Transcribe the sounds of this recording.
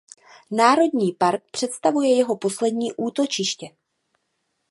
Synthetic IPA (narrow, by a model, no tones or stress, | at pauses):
naːɾo̞dɲiːpaɾk̚pr̥ɛt̪st̪avujɛjɛɦo̞po̞slɛdɲiːʔuːt̪o̞t͡ʃɪʃcɛ